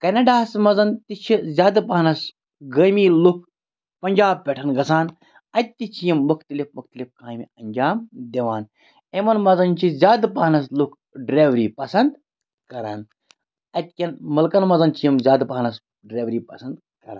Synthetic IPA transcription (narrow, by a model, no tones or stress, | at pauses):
kɐnɐɖaːsmɐzɐnt̪it͡ʃʰizʲaːd̪ɨpɐɦnɐs | ɡəmiːluk̚ʰ | pɐɲd͡ʒaːb̚pʲeʈʰɐnɡɐsʰaːn | ɐt̪̚ʲt̪it͡ʃʰijimːɐkʰt̪ɐlifmuk̚ʰt̪ɐlifkaːmiɐɲd͡ʒaːmd̪eʋaːn | emɐnmɐzɐnt͡ʃʰizʲaːd̪pɐɦnɐs̬luk | ɖɾeːʋɾiːpɐsɐnd̪ | kɐɾa̰ːn | ɐt̪̚ʲkʲɐnmɐlkɐnmɐzɐnt͡ʃʰijimzʲaːd̪pɐɦnɐs | ɖɾeːʋɾiːpɐsɐnd̪̚ | kɐɾa̰ːn